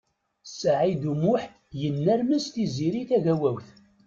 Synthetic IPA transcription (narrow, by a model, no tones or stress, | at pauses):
saʕid̪umʊħ | jənːæɾməst̪iziɾiθæʝæwæwθ